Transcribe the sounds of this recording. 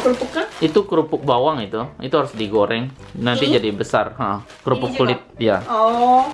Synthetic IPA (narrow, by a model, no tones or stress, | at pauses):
kəɾupʊkːanit̪ukɾupʊk̚bawaŋit̪uḭt̪uɦaɾʊsdiɡoɾɛŋ | nant̪id͡ʒadibəsarhaʔə | kɾupʊkːulɪt̪̚jaɔ